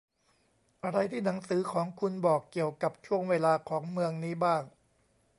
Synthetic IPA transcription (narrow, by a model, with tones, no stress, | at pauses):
ʔa˧ɾa˧jt̪ʰiː˥˩na˩˦ŋsɯː˩˦kʰɔː˩˦ŋkʰu˧nbɔː˨˩kːi˨˩əwka˨˩p̚t͡ɕʰu˥˩əŋweː˧laː˧kʰɔː˩˦ŋmɯ˧əŋniː˦˥baː˥˩ŋ